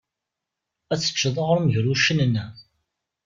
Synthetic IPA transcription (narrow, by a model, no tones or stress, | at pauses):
æt͡sːə̥t͡ʃːəðˤəʁəɾməʝɾuʃənənːæ